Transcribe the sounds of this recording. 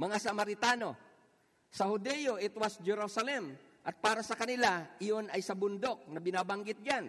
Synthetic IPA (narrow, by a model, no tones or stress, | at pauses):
mɐŋasɐmaɾɪt̪aːno̞ | sɐhʊd̪ɛjoʔɪt̪wasd͡ʒɛɾusɐlɛm | ʔɐt̪̚paːɾɐsɐkɐnɪlaɪjonɐjsɐbʊnd̪ok̚nɐbɪnabaŋɡɪt̪̚d͡ʒan